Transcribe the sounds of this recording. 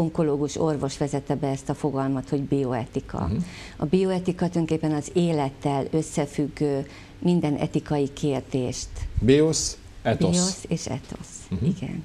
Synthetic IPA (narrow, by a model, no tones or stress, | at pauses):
oŋko̞loːɡuʃo̞rvo̞ʃʋɛzɛt̪ːɛbɛɛst̪ɒfo̞ɡɒlmɒt̪ho̞ɟbio̞ɛt̪ikʰɒ̰ | ɒ̰bio̞ɛt̪ikɒt̪øŋkeːpːɛnɒzeːlɛt̪ːɛlø̞sːɛfyɡː | mind̪ɛnʔɛ̰t̪ikɒjikʰeːrd̪eːʃt̪bios | ɛt̪ooseːʃɛ̰t̪o̞̰siɡɛ̰n